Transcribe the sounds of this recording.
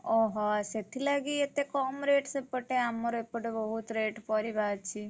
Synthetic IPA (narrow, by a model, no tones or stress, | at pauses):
ɔɦɔset̪ʰilaɡiet̪ekɔːmɾeːʈsepəʈeamːoɾepəʈebɔɦut̪ɾeːʈpɔɾibaːd̪̚t͡ʃʰi